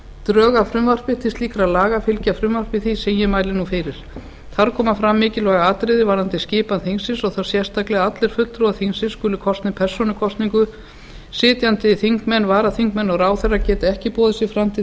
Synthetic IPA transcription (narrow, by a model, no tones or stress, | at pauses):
t̪ɾœːɣafɾʏmvar̥pɪ̥t̪ʰɪ̥st̪liːkɾalaːɣafɪlcafɾʏmvar̥pɪθisɛmjɛmaːjlɪnufɪɾɪɾ̥ | θaɾkʰɔːmafɾamːɪːcɪlɔɣaaːt̪ɾɪðɪvaːɾant̪ɪscɪːpanθiŋsɪsɔɣθaɾ̥sjɛr̥st̪aklɛɣaat̪lɛɾ̥fʏl̥t̪ɾuaθinsɪnskʏːlʏkʰɔst̪nɪpʰɛr̥sɔnʏkʰɔst̪niŋkʏ | sɪːt̪jant̪ɪθiŋkmɛnːvaːɾaθiŋkmɛnːɔɣraːwθɛrːacɛːt̪ɪɛhcɪpɔːðɪsɪfɾamt̪ʰɪ